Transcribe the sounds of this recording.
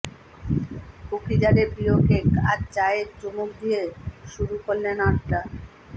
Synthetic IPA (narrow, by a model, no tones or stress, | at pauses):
kokʰid͡ʑaɾebɾiokeka̰ɾt͡ɕaeeɾd͡ʑomuk̚d̪ijeʃuɾukolːenaɾʈ̪a